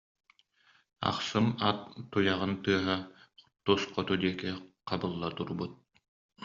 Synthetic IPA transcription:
a̰qsɯmat̪ːujaʁɯnt̪ɯɐɦat̪usqɔt̪ud̪iɛkiqɑbɯlˠːat̪uɾbut̪̚

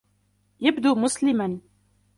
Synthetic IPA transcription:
jabd̪uːmʊslɪman

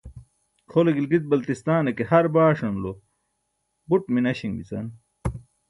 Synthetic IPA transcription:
kʰoleɡilɡit̪̚bɐlt̪ist̪aːnekehɐɾbaːʂɐnlo | buʈminɐɕiŋbḭt͡sɐ̰n

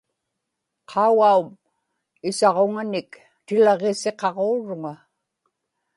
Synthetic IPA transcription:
qʰɑuɣaum | ɪsɑʁoŋanɪk | t̪ɪlʁese̞qɑʁoːɻʊŋa

